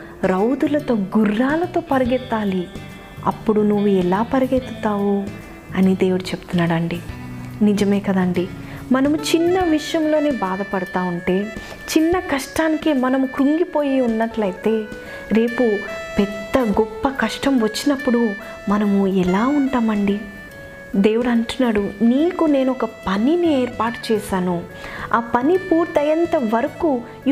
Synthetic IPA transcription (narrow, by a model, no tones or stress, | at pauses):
ɾɐwd̪ulɐt̪o̞ːɡurːaːlɐt̪o̞ːpɐɾiɡɛt̪ːaːli | ɐ̰pːuɽunuʋːuɛlaːpɐɾɐɡɛt̪ːut̪aːʋu | ɐnid̪eːwuɽut͡ʃebu̥t̪unːaːɽɐɳɖinid͡ʒɐme̞ːkɐd̪ɐɳɖi | mɐnɐmut͡ʃinːɐʋiʂjɐmlo̞ːne̞ːbaːd̪ɐpɐɽɐt̪aːuɳʈe̞ː | t͡ʃinːɐkɐʂʈaːnikimɐnɐmukɾuŋɡipo̞ːjiunːɐʈlɐjit̪e̞ː | ɾe̞ːpupɛd̪ːɐɡɔpːɐkɐʂʈɐmʋɐt͡ʃːinɐpːuɽu | mɐnɐmuɛlaːuɳʈaːmɐɳɖi | d̪e̞ːwuɽɐɳʈunːaːɽuniːkune̞ːnɔkɐpɐninieːɾpaːʈu̥t͡ʃɛːʃaːnu | aːpɐnipuːɾt̪ɐjɐnt̪ɐʋɐɾɐku